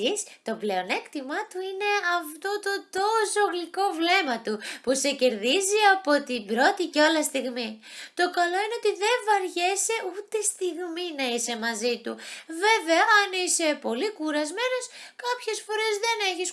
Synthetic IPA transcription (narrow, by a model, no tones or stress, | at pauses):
ist̪o̞ple̞o̞ne̞kt̪imɐt̪uine̞ɐft̪o̞t̪o̞t̪o̞soɣliko̞vle̞mɐt̪upuse̞ce̞ɾðiziɐpo̞t̪ibɾo̞t̪icealɐst̪iɣmit̪o̞kɐlo̞ineo̞t̪iðe̞ɱvɐɾʝe̞se̞ut̪est̪iɣminɐise̞mɐzit̪uve̞ve̞ɐɐnise̞po̞likuɾɐzme̞no̞skɐpçe̞sfo̞ɾe̞zðe̞ne̞çis